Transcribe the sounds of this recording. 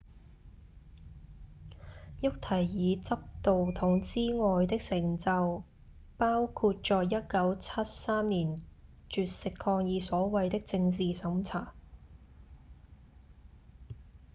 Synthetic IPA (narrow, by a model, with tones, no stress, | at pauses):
jʊ˥k̚t̪ʰɐ˨˩jːiː˨˧t͡sɐ˥p̚t̪o˨wt̪ʰʊ˨˩ŋt͡siː˥ŋɔː˨˧jt̪ɪ˥k̚sɪ˨˩ŋt͡sɐ˨˧w | paː˥wkʰuː˧t̚t͡ʃɔː˨˧jɐ˥t̚kɐ˨˥wt͡sʰɐ˥t̚saː˥mniː˨˩n | t͡ʃyː˨t̚sɪ˨kʰːɔː˧ŋjiː˨˧sɔː˨˥wɐ˨jt̪ɪ˥k̚t͡sɪ˧ŋt͡siː˨sɐ˨˥mt͡sʰaː˨˩